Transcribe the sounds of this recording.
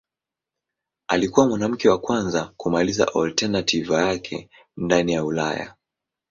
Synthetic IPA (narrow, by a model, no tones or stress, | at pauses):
alikuwamwanam̩kɛwakwanzakumaliza̰ʔɔltɛnatʰivajakʰɛ̰ | ndanijaula̰ja̰